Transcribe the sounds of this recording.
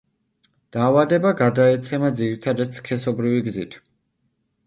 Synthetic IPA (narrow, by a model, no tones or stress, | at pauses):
d̪̥aːvad̪ɛbaɡad̪aɛt̪sʰɛmad̪ziɾit̪ʰad̪ad̪skʰɛsɔbɾiviɡzit̪ʰ